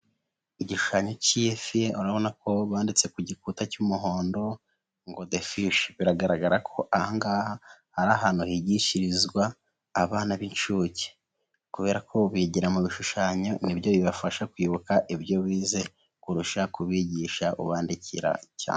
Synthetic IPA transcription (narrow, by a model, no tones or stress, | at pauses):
iɟiʃu̥ʃaːɲo̞ciefieuɾaβo̞nako̞βaːndit͡se̞kuɟik̚utacumuɦo̞ːndo̞ | ŋɡodefiʃβiɾaɡaɾaɡaɾakʰo̞ʔahaŋɡaːhahaɾaɦan̥uhiɟiʃiɾizɡwaː | βaːnaβint͡ʃuːce̥ | kuβe̞ːɾakʰo̞βiɟiɾamuβiʃuʃaːɲo̞nibjo̞βiβafaʃakwiːβukaʔibjo̞βiːze̞ | kuɾuʃakuβiɟiːʃaʔṵβaːndicḭɾa̰ca̰ːne